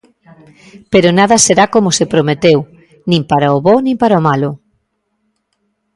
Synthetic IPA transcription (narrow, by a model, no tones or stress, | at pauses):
peɾonaðɐseɾakomʊsepɾomet̪ew | nĩmpaɾaoβɔnĩmpaɾaomalʊ